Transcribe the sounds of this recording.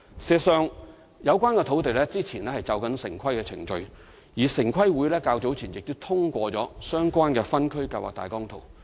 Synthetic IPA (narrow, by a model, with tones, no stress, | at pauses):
sɛː˧sœː˨˧ŋ | jɐ˨˧wkʷaː˥nkɛː˧t̪ʰo˨˧˥wt̪̬e˨jlɛː˥t͡siː˥t͡sʰiː˨˩nlɛː˥hɐ˨jt͡sɐ˨˧wkɐ˨˥nsɪ˨˩ŋkʰɐ˥jkɛ˧t͡sʰɪ̰˨˩ŋt͡ʃɵ˧ɥ | jiː˨˩sɪ˨˩ŋkʰɐ˥jwuː˨˥jlɛː˥kaː˧wt͡so˨˥wt͡sʰiː˨˩njɪ˨k̚t̪o˥wt̪ʰʊ˥ŋkʷɔː˧t͡sɔː˨˥sœː˥ŋkʷaː˥nkɛː˧fɐ˥nkʰɵ˥ɥka˧wa̰˨kt̪a̰ː˨˩jkɔː˥ŋt̪ʰo̰˨˩w